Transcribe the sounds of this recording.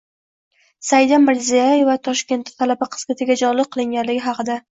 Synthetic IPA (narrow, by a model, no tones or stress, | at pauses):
sajd̪amːɪɾzijaje̞vat̪ʰɒʃkʲe̞nt̪ːɪ̥t̪ʰalabaqʰɨ̥zmɪt̪ʰɪɡʲad͡ʒɒlˠɪq̚qʰɨlˠɪŋɡʲanlɪɡʲɪɦɑqʰɨd̪a